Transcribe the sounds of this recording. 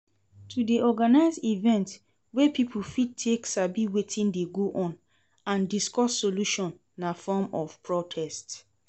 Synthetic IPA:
tʰudiɔɡanaɪzivɛ̃nt | wepipʰufid̚tʰeksabiwetʰĩndeɡoʔɔ̃n | ãndiskɔsːoluʃɔ̃nːafɔmɔvpʰɹɔtʰɛst

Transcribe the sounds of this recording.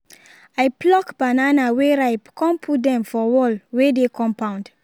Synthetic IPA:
ajplɔkbananaweɾajpkʰɔ̃mpʰudɛ̃mfɔwɔlwedekʰɔ̃mpãʊ̃nd

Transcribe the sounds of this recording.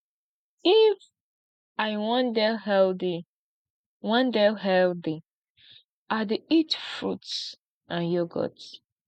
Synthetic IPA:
if | ajwɔ̃ndɛɦɛldi | wãndɛlɦɛldi | ʔadeitfɹuts | ãnjoɡɔ̰t

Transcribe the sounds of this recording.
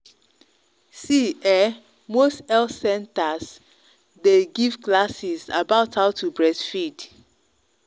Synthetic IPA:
siɛ | mostɛlsɛ̃ntas | deɡiv̥klasiza̰baʊthaʊtʰubɹɛsfid

